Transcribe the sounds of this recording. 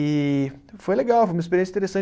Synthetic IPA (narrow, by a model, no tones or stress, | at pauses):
ifojleɡawfojũmis̬peɾiẽs̬ĩt̪eɾesɐ̃